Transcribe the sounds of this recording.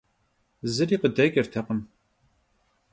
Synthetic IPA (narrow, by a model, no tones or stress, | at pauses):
zɨɾiːqədɐɡʲɐrtʰɐqəm